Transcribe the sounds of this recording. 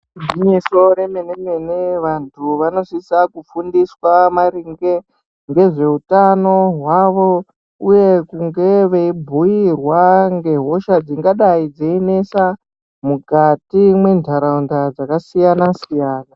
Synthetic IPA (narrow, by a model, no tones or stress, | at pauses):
diɲeso̞ɾemenemeneʋantʰuʋano̞sisakufundiswamariŋɡe̞ | ŋɡe̞ʐe̞utano̞ɦwaʋo̞ | uje̞kuŋɡe̞ʋeibʱuirwaŋɡe̞ɦo̞ʃad͡ziŋɡaɗaid͡zeine̞sa | mukatimwe̞ndʱaɾaundad͡zakasijanasijaːna